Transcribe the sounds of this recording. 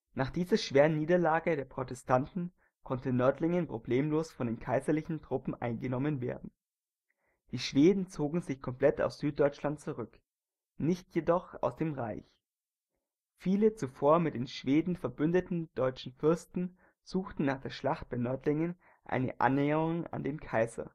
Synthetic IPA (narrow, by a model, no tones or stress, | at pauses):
naːχd̥iːzɐʃv̥eːʁənːiːdɐlaːɡədeːɐpʁ̥otɛstʰantn̩ | kʰɔntənœɐtlɪŋənpʁ̥obleːmloːsfɔndeːnkʰaɪzɐlɪçn̩tʁ̥ʊpm̩ʔa̰ɪnɡənɔmənvḛːɐdn̩ | d̥iːʃv̥eːdn̩t͡soːɡŋ̩zɪçkʰɔmpl̥ɛta̰ʊsz̥yːt̚d̥ɔʏt͡ʃlant̚t͡suʁʏk | nɪçtjedɔχa̰ʊsd̥eːmʁaɪç | fiːlət͡sufoːɐmɪt̚d̥eːnʃv̥eːdn̩fɛɐbʏndətn̩d̥ɔʏt͡ʃn̩fʏɐstn̩ | z̥uːxtn̩nːaːχd̥eːɐʃlaχt̚b̥aɪnœɐtlɪŋən | ʔa̰ɪnə̰ʔa̰nːɛːəʁʊŋa̰ndeːnkʰaɪzɐ̰